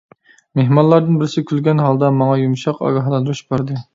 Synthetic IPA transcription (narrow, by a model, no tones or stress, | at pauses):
meɦmɑnlˠɑɾd̪ɨnbɪɾɪsɪkʲʰylɡʲɛnɦɑlˠd̪ɑmɑŋɑjumʃɑqɑ̰ɡʲɑɦlˠɑnd̪ɾyʃbæɾd̪ɨ